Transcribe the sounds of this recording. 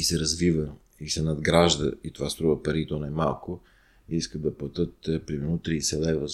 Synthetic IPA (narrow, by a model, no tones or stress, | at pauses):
isɛɾɐzvivə | isɛnɐd̪ɡɾaʒd̪ə̰it̪ovast̪ɾuvəpɐɾit̪onɛmalˠko | iiskəd̪d̪ɐplˠɐt̪ɤt̪pɾimɛɾnot̪ɾisɛlɛvə